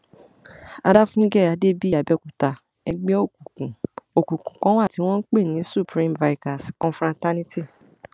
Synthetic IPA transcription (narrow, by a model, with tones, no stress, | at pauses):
a˧da˦fũ˦ɡɛ˦˨a˧de˦bi˦a˨bɛ˨˧˦ku˨ta˨ | ɛ˧ɡ͡bɛ˦o˦˨ku˨kũ˨o˨kũ˨kũ˨kɔ̃˦wa˦˨ti˨˦w̃ɔ̃˦n̩˦k͡pe˦˨nĩ˨˦su˦˨pɾĩ˦mva˨˧i˨ka˨si˨kɔ̃˧fɾɔ̃˧nta˦nĩ˦ti˦˨